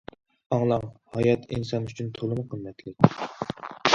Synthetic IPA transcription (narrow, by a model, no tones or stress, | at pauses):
ɑŋlˠɑŋhɑjɑt̪ʰḭnsɑnyt͡ʃʰynt̪ʰolˠɨmʊqʰəmːɛt̪ʰlɪkʲ